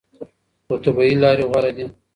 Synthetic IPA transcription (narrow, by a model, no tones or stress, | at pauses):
ot̪abailɑːɾeɣaɾad̪i